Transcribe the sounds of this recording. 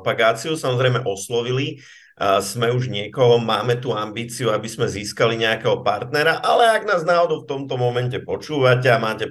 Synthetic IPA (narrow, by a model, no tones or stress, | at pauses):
paɡaːt͡siusamɔzɾɛjmɛʔɔslɔʋili | zmɛuʒɲɪɛkɔɦɔmaːmɛt̪uambiːt͡siuabizmɛziːskaliɲɛakɛɦɔpaɾt̪̚nɛɾaʔalɛaɡnaːznaɦɔd̪ɔft̪ɔmt̪ɔmɔmɛncɛpɔt͡ʃuːʋacɛamaːcɛ